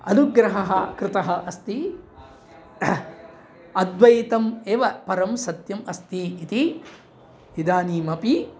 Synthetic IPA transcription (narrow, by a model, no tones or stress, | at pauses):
ɐnuɡɾɐɦɐɦɐkɾɪt̪ɐɦɐʔɐst̪i | ɐd̪ʋɐjt̪ɐmeːʋɐpɐɾɐmsɐt̪jɐmɐst̪iːt̪i | ʋid̪aːniːmɐpi